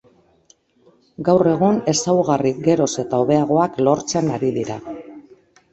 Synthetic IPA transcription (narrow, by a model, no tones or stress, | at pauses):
ɡawre̞ɣ̞une̞sawɣariɡe̞ɾo̞se̞t̪ao̞βe̞aɣ̞o̞aklo̞ɾt͡se̞naɾiðiɾa